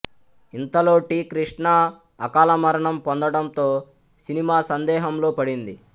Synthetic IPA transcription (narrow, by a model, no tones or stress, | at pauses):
int̪ɐlo̞ːʈiːkɾiʂɳaː | kaːlɐmɐɾɐɳɐmpond̪ɐɽɐnt̪o̞ː | sinimaːsɐnd̪ɛːɦɐmlo̞ːpɐɽind̪i